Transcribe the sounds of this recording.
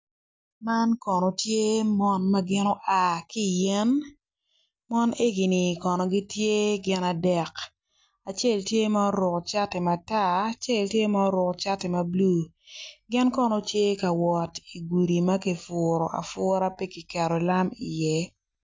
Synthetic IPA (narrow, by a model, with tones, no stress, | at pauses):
ma˦nkɔ˨nɔ˨tje˦mɔ˦nma˦ɡɪ˦nɔ˦ʔa˨ki˦jɛ˦n | mɔ˦ne˦ɡi˨nɪ˨kɔ˨nɔ˨ɡi˦tje˦ɡɪ˦na˨dɛ˨k | a˨t͡ʃe˦˨ltje˦ma˦o˦ɾʊ˨kt͡ʃa˦tɪ˨ma˨ta˦˨t͡ʃe˦˨ltje˦ma˦o˦ɾʊ˨kt͡ʃa˦tɪ˨ma˨blu˦˨ | ɡɪ˦nkɔ˦nɔ˦tje˦ka˨wɔ˨ti˨ɡu˨ɾi˨ma˦ki˨fʊ˨ɾɔ˨ʔa̰˨fʊ˦ɾa˦pe˦kɪ˨kɛ˨ɾɔ˨la˦mḭ˨jɛ˦